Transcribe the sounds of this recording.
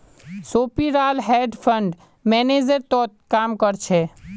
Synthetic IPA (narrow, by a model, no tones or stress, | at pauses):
soːpiɾaːlɦɛːɖpʰəɳɖ | mɛːned͡ʒəɾt̪ɔːt̪̚kaːmkəɾt͡ʃʰɛ